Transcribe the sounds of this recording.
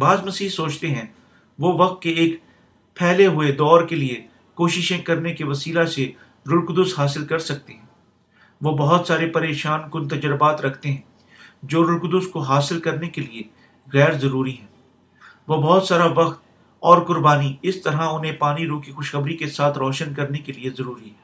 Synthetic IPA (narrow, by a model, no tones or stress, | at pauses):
baːzmɐsiːɦsoːt͡ʃt̪eɦɛ̃ | ʋoʋɐqt̪̚keeːk | pʰɛːɦleɦʊed̪ɔːɾkelie | koːʃɪʃẽkɐɾnekeʋɐsiːlase | ɾʊɾkd̪ʊsɦaːs̬ɪlkɐɾsɐk̚t̪eɦɛ̃ː | ʋobɐɦʊt̪saːɾepɐɾeːʃaːnkʊnt̪ɐd͡ʒəɾbaːt̪ɾɐkʰt̪eɦɛ̃ː | d͡ʒoːɾʊlkd̪ʊskoɦaːsɪlkɐɾnekelie | ɣɛːɾzɐɾuːɾiɦɛ̃ː | ʋobɔɦʊt̪saːɾaʋɐqt̪̚ | ɔːɾkʊɾbaːniɪst̪ɐɾɦaʊnɦẽpaːniɾoːkixʊʃxɐbɾikesaːt̪ʰɾɔːʃənkɐɾnekeliezɐɾuːɾiɦɛː